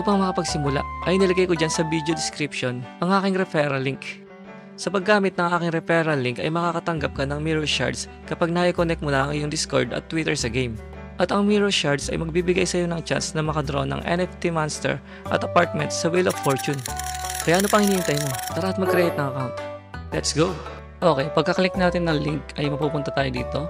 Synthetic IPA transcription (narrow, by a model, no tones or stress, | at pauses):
ʔʔupɐŋmɐkɐpɐɡ̚sɪmʊla̰ʔʔɐjnɪlɐɡajkod͡ʒansɐbid̪od̪ɪskɾipʃo̞nʔɐŋʔaːkɪŋɾɛfɛɾɐliŋk | sɐpɐɡːaːmɪt̪̚nɐŋʔaːkɪŋɾɛfɛɾɐliŋkɐ̰jmɐkaːkɐt̪ɐŋɡap̚kɐnɐŋmiɹoʃa̰ɹd̪s | kɐpaɡ̚naʔɪkonɛk̚t̪̚molaɐŋʔɪjoŋd̪ɪsko̰ɹd̪ɐ̰t̪ːwit̪ɛɹsɐɡejm | ʔɐt̪ɐŋmiɹoʃaɹd̪sɐ̰jmɐɡ̚bibɪɡajsɐjo̞nɐŋt͡ʃa̰nsnɐmɐkɐd̪ɾʔonɐ̰ŋʔɛ̰nɛft̪imanst̪ɛ̰ɹ | ʔɐ̰t̪ɐpaɹt̪̚mɛ̰nt̪sɐwɪloffoɹt͡ʃʊnkɐjaʔɐno̞pɐŋhɪniːɪnt̪ɐjmo̞alahɐt̪̚mɐɡ̚kɾɛhɪt̪nɐŋɐkalɛt̪sɡo | ʔoːkɛjpɐɡ̚kɐkɐlɪk̚naːt̪ɪnːɐŋliŋkɐjmɐpuːpʊnt̪ɐt̪aːjod̪ḭːt̪o̞